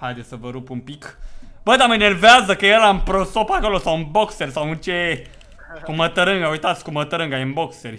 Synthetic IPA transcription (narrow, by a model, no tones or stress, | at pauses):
hajd̪esəvəɾupumpikb̥əd̪aməjnerveazəkəjeɾlaɨnpɾosopako̞lo̞sawɨnbo̞kserʲsawɨnt͡ʃe | kumət̪əɾɨŋɡaujt̪at̪sʲkumət̪əɾɨŋɡajɨnbo̞kserʲ